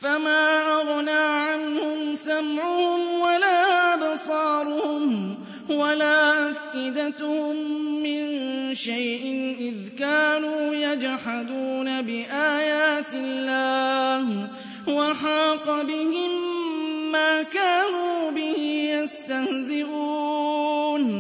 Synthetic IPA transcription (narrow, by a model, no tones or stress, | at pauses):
famaːʔɑɣnaːʕanhʊmsamʕʊhʊmwalaːʔabsˤɑːɾˤʊhʊm | walaːʔafʔɪd̪at̪hʊmːɪnʃajʔɪnʔɪðkaːnuːjad͡ʒħad̪uːnabɪʔaːjaːt̪ɪllːaːh | waħɑːqɑbɪhɪmː | aːkaːnuːbɪhɪjast̪ahzɪʔuː | n